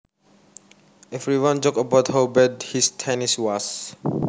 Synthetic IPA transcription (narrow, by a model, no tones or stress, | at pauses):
ɛvɹiwãnd͡ʒɔkəbawthabɛdhistʰɛniswɔs